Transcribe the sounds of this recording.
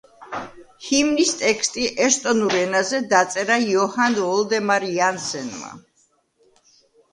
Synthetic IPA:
himnist̪ʼɛkst̪ʼiʔɛst̪ʼɔnuɾɛnazɛd̪at̪sʼɛɾajɔhand̪ɔld̪ɛmaɾiansɛnma̰

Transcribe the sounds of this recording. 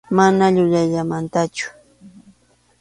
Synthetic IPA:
manaʎʊʎaʎamant̪at͡ʃʊ̥

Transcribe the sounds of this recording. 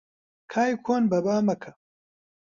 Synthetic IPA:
kʰaːjkʰoːnbɐbaːmɐkʰɐ

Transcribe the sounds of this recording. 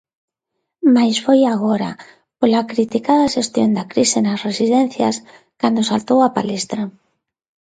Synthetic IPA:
majsfojaɣ̞oɾa̰ | polakɾit̪ikaðaʃest̪jond̪akɾisenasresiðɛn̟θja̰s | kand̪osalt̪owapa̰lest̪ɾa

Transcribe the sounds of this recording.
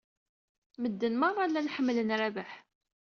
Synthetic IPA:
məd̪ːənmɑrˤɑlːænħəmːlənɾæbaħ

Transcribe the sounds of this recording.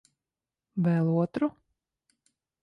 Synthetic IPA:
vɛlˠuɔt̪ɾu

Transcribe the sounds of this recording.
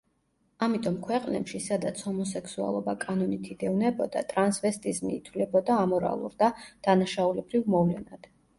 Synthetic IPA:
amit̪ʼɔmkʰwɛqʼnɛ̰pʃisad̪at̪sʰhɔmɔsɛksua̰lˠɔbakʼanɔnit̪ʰid̪ɛvnɛbɔd̪a̰t̪ʼɾansvɛst̪ʼizmiːt̪ʰwlɛbɔd̪aːmɔɾa̰lˠṵɾd̪ad̪̥anaʃaulɛbɾivmɔvlɛnad̪̥

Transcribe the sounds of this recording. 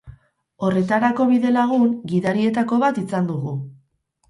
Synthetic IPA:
o̞re̞t̪aɾako̞βiðe̞laɣ̞uŋɡiðaɾie̞t̪ako̞βat̪isand̪uɣu

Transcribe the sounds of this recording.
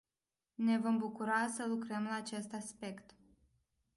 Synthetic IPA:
ne̞vombukuɾasəlukɾəmlaːt͡ʃe̞st̪aspe̞kt̪

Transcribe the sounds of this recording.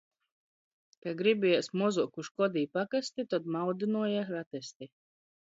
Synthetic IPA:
kaɡɾibʲiɛsmuɔzukuʃkɔd̪iːpakast̪it̪ɔd̪mawd̪inuɔjaxɾat̪ɛst̪i

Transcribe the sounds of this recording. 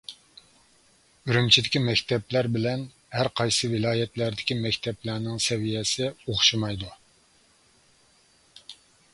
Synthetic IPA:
yɾymt͡ʃʰid̪ɪkʲimɛkʲt̪ʰɛplæɾbɪlɛn | hæɾqʰɑjsɨvɪlˠɑːjɛt̪læɾd̪ɪkʲimɛkʲt̪ʰɛplæɾnɪŋsɛvijɛsɪoχʃɨmɑjd̪u

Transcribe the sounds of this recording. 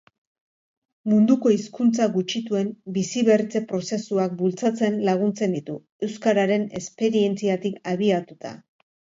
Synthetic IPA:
mund̪uko̞iskunt͡saɣut͡ʃit̪ue̞mbisiβe̞rt͡se̞pɾo̞se̞suak̚bult͡sat͡se̞nlaɣ̞unt͡se̞nd̪it̪u | e̞wskaɾaɾe̞ne̞spe̞ɾie̞nt͡siat̪ikaβiat̪ut̪a̰

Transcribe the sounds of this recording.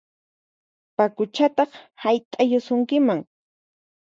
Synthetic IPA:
pakʊt͡ʃat̪ɑχhajt̪ʼajʊsʊŋkɪmaŋ

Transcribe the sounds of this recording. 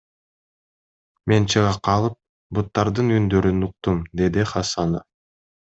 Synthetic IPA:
me̞nt͡ʃɯʁɑqʰɑlˠɯp̚ | but̪ːɑɾd̪ɯnynd̪ø̞ɾynuq̚t̪umd̪e̞d̪iχɑsɑna

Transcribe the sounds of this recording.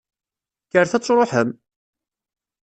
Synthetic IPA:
kːəɾθæt͡sˤːɾˤoħəm

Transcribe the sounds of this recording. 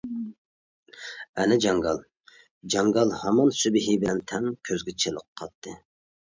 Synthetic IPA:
ɛnɛd͡ʒɑŋɡɑlˠ | d͡ʒɑŋɡɑlˠhɑmɑnsybɪɦibɪlɛnt̪ʰɛŋkʲʰøzɡʲɛt͡ʃʰelˠəqʰːɑt̪ʰːɨ

